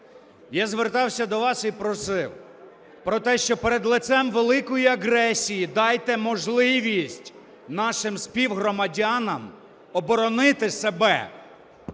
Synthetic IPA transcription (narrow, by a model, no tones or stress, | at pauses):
jazʋert̪ɑwsʲɐd̪ɔʋɑsipɾɔsɪw | pɾɔt̪ɛʃt͡ʃɔpeɾed̪lˠɪt̪sɛmʋelˠɪkɔjiɐɦɾɛsʲijid̪ɑjt̪ɛmɔʒlˠɪʋʲisʲtʲ | nɑʃɪmspʲiwɦɾɔmɐdʲɑnɐm | ɔbɔɾɔnɪt̪ɪsebɛ